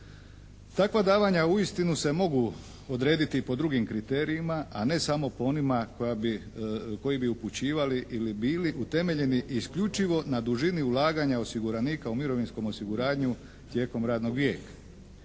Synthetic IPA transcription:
t̪akʋad̪aːʋaɲauist̪inuse̞mo̞ɡu | o̞d̪ɾe̞ːd̪it̪ipo̞d̪ɾuɡimkɾit̪e̞ːɾijimaʔane̞samo̞poonimakojabiko̞jibiuput͡ɕiːʋaliʔilibiːliʔut̪e̞me̞ʎe̞niʔːskʎut͡ʃiʋo̞nad̪uʒiniulˠaːɡaɲao̞siɡuɾaniːkaumiɾo̞ʋinsko̞mo̞siɡuɾaːɲu | t̪je̞ːko̞mɾaːd̪no̞ɡʋje̞ːkḁ

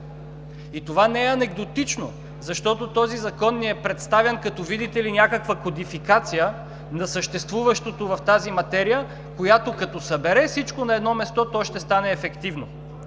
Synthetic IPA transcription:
it̪ovanɛɛɐnɛɡd̪ot̪it͡ʃno | zɐʃt̪ɔt̪ot̪ɔzizɐkɔnːiɛpɾɛt̪st̪avʲɛnkɐt̪ɔvid̪it̪ɛlinʲakəkvəkod̪ifikat̪sijə | nɐsəʃt̪ɛst̪vuvɐʃt̪ot̪ovɐft̪azimɐt̪ɛɾijə | kojat̪okɐt̪osɐbɛɾɛfsit͡ʃkonɐɛd̪nɔmɛst̪ɔt̪ɔʃt̪ɛst̪anɛːfɛkt̪ivno̰

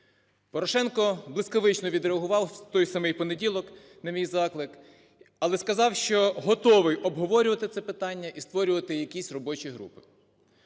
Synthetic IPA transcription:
pɔɾɔʃɛnkɔblˠɪskɔʋɪt͡ʃnɔʋʲid̪ɾeɐɦʊʋɑwt̪ɔjsɐmɪjpɔnedʲilˠɔk | nɐmʲijzɑklˠɪk | ɐlˠɛskɐzɑwʃt͡ʃɔɦɔt̪ɔʋɪjʔɔbɦɔʋɔɾʲʊʋɐt̪ɪt̪sɛpɪt̪ɑnʲːɐʔist̪ʋɔɾʲʊʋɐt̪ɪjɐkʲisʲrɔbɔt͡ʃijɦɾṵpɪ̥

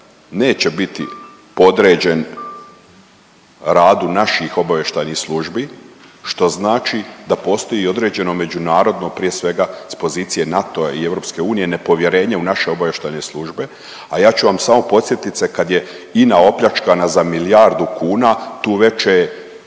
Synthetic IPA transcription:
ne̞ːt͡ɕe̞bit̪ḭ | po̞d̪ɾe̞ːd͡ʑen | ɾaːd̪unaʃixo̞baʋje̞ʃt̪ajnixslˠuːʒbiʃt̪o̞znaːt͡ʃid̪apo̞ːst̪o̞jio̞d̪ɾe̞ːd͡ʑe̞no̞me̞unaːɾo̞d̪no̞pɾije̞sʋe̞ɡaspo̞ziːt̪sije̞nat̪o̞aie̞ʋɾo̞pske̞uːnije̞ne̞po̞ʋje̞ɾe̞ːɲeunaʃe̞o̞baʋjeʃt̪ajneslˠuːʒbe̞ | ajaːt͡ɕuʋamsamo̞po̞t̪sje̞t̪it̪sekad̪je̞ | inao̞pʎʲat͡ʃkanazamilijaɾd̪ukuːnat̪uːʋe̞t͡ʃe

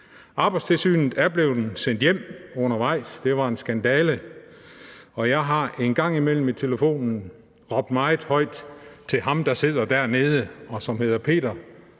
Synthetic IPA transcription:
ʔɑ̈ːb̥ɑ̈ɪd̥t͡sʰe̝lsy̰ːnð̩ˠæɐb̥le̝ʊd̥n̩sen̰d̥jem̰ɔ̽nɐʋɑ̈ɪ̰sd̥e̝ʋɑ̈e̝nsɡ̥ænd̥ɛːlə | ɒ̽jɑ̈ɪɦɑ̈e̝nɡ̥ɑ̈ŋ̰imel̰m̩it͡sʰe̝ləfo̝̰ːnn̩ | ʁɒ̽b̥̚d̥mɑ̈ɪð̩ˠhɒ̽ɪ̰d̥t͡sʰe̝ɦɑ̈md̥ɑ̈se̝ð̞̰ˠɐd̥æɐ̰ne̝ːð̞ˠəɒ̽sɒ̽mhe̝ðˠɐpʰe̝̰ːd̥ɐ

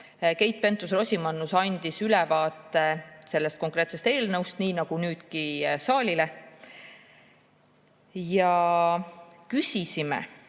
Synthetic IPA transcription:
ke̞jt̪̚pe̞nt̪ːˑusro̞sʲimɑnːusɑnʲd̪̥isylɛvɑːt̪ːˑe̞se̞lːest̪̚ko̞ŋkˑre̞ːt̪se̞st̪e̞ːlnɤwst̪niːnɑɡ̥unyːd̪̥kisɑːlʲile̞ | jɑ | kysʲisimḛ

